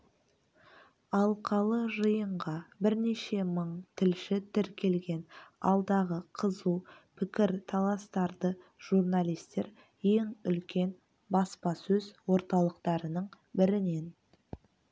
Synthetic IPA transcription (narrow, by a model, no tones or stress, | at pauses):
ɑlˠqʰɑlˠəʒəjəɴʁɑbɪɾne̞ʃe̞məɴt̪ʰɪlʃɪt̪ʰɪɾkʲʰe̞lɡʲe̞nɑ̰lˠd̪ɑʁəqʰəzupʰɪkʲɪɾt̪ʰɑlˠɑst̪ɑɾd̪əʒ̥uɾnalijst̪e̞ɾ | je̞ŋʏlkʲe̞n | bɑspɑsɵzwo̞ɾt̪ɑlˠəqt̪ɑɾənəɴ | bɪɾɪne̞n